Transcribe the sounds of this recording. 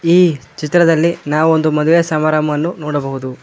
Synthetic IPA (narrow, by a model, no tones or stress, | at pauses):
iːt͡ʃit̪ɾɐd̪ɐlːinaːʋuond̪umɐd̪uʋɛjɐsɐmaːɾamɐʋɐnːunoːɽɐbɐɦud̪u